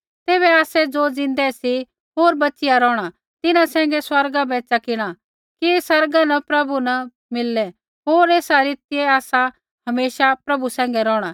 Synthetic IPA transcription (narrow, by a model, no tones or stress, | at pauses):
t̪eːβɛaːsɛd͡zoːd͡zɪ̃n̆d̪ɛsi | ɦoːɾbɐːt͡ʃɪjaɾɔːɽ̃a | t̪ɪnãsɛ̃ːŋ̆ɡɛswɐɾɡabɛːt͡ʃakɪɽ̃a | kiesɐɾɡanɐpɾɐbunɐ | mɪlːɛ | ɦoːɾeːsaɾɪːt̪ɪɛaːsa | hɐmeːʃapɾɐbusɛ̃ːŋ̆ɡɛɾɔːɽ̃a